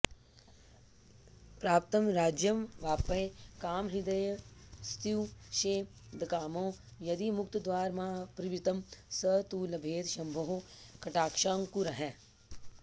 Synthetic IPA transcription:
pɾaːp̚t̪ɐmɾaːd͡ʒjɐmʋaːpɐkaːmɦid̪ɐjst̪iwʃeː | d̪ɐkaːmõː | jɐd̪imʊkt̪d̪ʋaːɾmãːpɾiʋit̪ɐmsət̪uːlɐbʱeːd̪ʃɐmbʱɐɦoːkɐʈaːkʃaːŋkuɾɐɦɛː

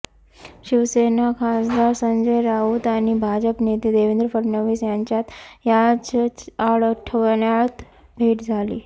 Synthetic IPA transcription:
ɕiʋsenakʰasd̪aɾsəɲd͡ʑəjɾaud̪aɽ̃ibʱad͡ʑəpnet̪iːd̪eʋend̪ɾəfəɾnəʋisjaɲt͡ɕjat̪jad͡zaɽəʈʰəʋɳjat̪ | bʱeʈd͡zʱalḭː

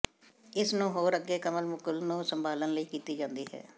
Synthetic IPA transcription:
ɪsnũːɦoːɾəɡːeːkəməlmʊkəlnũːsəmbʱaːlənləiːkiːt̪iːd͡ʒãːnd̪iːɦɛ̰ː

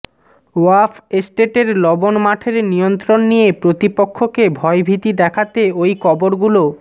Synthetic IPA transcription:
oafʰesʈeʈeɾlɔbonmaʈʰeɾnijont̪ɾonːijepɾot̪ipokʰːokebʱɔebʱit̪id̪ɛkʰat̪eojkɔboɾɡulo

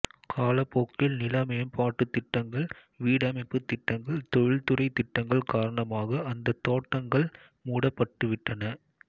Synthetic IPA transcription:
kʰaːlɐpːoːkːɪlnɪlɐmɐjɐmpaːʈːɯt̪ːɪʈːɐŋɡɐɭ | ʋiːɽɐmɐɪpːɯt̪ːɪʈːɐŋɡɐɭt̪ɔɻɪɭt̪ʊrɐɪt̪ːɪʈːɐŋɡɐɭkaːɾɐɳɐmaːɣɐɐnd̪ɐt̪ːoːʈːɐŋɡɐɭ | muːɽɐpːɐʈːɯʋɪʈːɐnɐ

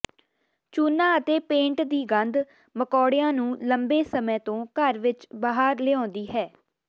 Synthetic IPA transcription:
t͡ʃuːnãːət̪eːpẽːɳʈd̪iːɡənd̪ | məkɔːɽɪjãːnũːləmbeːsəmɛ̃ːt̪õːkəɾʋɪt͡ʃbaːɦaɾleɔ̃ːnd̪iːɦɛː

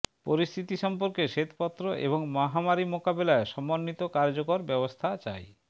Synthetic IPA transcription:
poɾist̪ʰit̪iʃɔmpoɾkeʃet̪pɔt̪ːɾoʔḛboŋmɔɦamaɾimokabelaeʃɔmːonːit̪okaɾd͡ʑokoɾbɛbost̪ʰat͡ɕa̰j

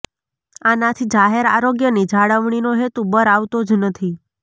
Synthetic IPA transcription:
anat̪ʰid͡ʒaɦeɾa̰ɾoɡjənid͡ʒʱaɽəʋɳ̃inoɦet̪ubəɾaʋt̪od͡ʒnət̪ʰi

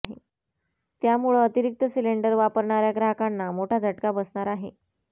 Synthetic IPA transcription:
ɦḛ | t̪jamuɭəət̪iɾik̚t̪əsileɳɖəɾʋapəɾɳaɾjaɡɾaɦkanːamoʈʰad͡zʱəʈkabəsɳaɾaɦḛ

